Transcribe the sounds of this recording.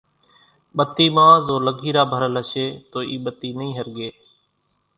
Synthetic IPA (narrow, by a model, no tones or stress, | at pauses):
ɓət̪iːmãːzoːləɡʱiːɾaːbʱəɾləʃeːt̪oːʔiːɓət̪iːnəĩːɦəɾɡeː